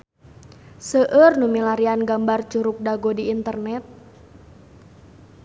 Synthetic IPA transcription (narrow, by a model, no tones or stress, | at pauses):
səʔərnumilaɾianɡambart͡ʃuɾʊk̚daɡodiːnt̪ərnɛt̪̚